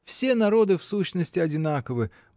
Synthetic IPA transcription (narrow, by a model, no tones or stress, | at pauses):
fsʲe̞nɐɾo̞d̪ɨfsuɕnəsʲtʲɪɐdʲɪnakəvɨ